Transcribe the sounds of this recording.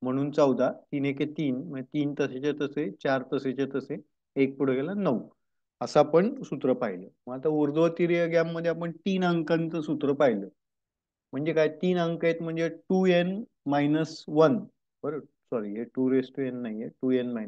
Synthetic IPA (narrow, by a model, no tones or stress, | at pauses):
m̤əɽ̃uːnt͡səwd̪ʱat̪iːneket̪iːnm̤əd͡ʑet̪iːnt̪əset͡ɕet̪əset͡ɕaɾt̪əset͡ɕet̪əse | ek̚puɽ̤əkelanəʋ | əsapəɳsut̪ɾəpaɦjləməɡat̪auɾd̪ʋət̪iɾjəɡjamːəd̪ʱːjeapəɳt̪iːnəŋkãnt͡səsut̪ɾəpajləː | m̤əɳd͡zekajt̪iːnəŋkjet̪m̤əɳd͡zeʈuen | majnəsʋən | bəɾə | sɔɾiɦeʈuɾesʈuenːaɦieʈuenmajnə